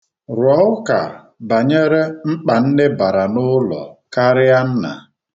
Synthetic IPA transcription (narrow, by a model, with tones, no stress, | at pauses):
ɾɔ˨˦ʊ˦ka̰˨ | ba˨ɲe˦ɾe˦ŋ͡m̩˦k͡pa˨n̩˦ne˦ba˨ɾa˨nʊ˦lɔ̰˨ka˦ɾɪ˦a˦n̩˦na̰˨